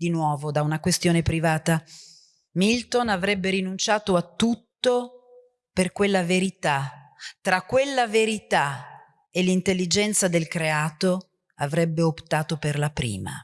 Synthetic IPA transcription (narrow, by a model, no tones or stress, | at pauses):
d̪inwɔːvod̪aunakwest̪joːnepɾivaːt̪a | milt̪onavɾɛbːeɾinunt͡ʃaːt̪oat̪ːut̪ːo | perkwelːaveɾit̪at̪ɾakːwelːaveɾit̪a | elːint̪elːid͡ʒɛnt̪sad̪elkɾeaːt̪o | avɾɛbːeopt̪aːt̪operlapɾḭːma̰